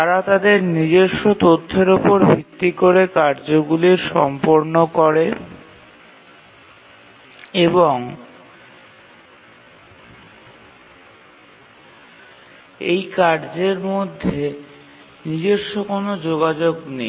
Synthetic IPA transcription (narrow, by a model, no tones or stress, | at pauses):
aɾat̪ad̪eɾnid͡ʑeʃːot̪ot̪ʰːeɾopoɾbʱit̪ːikoɾekaɾd͡ʑoɡuliɾʃɔmpoɾnokɔɾe | eboŋ | ḛjkaɾd͡ʑeɾmod̪ʱːe | nid͡ʑeʃːokonod͡ʑoɡad͡ʑoɡne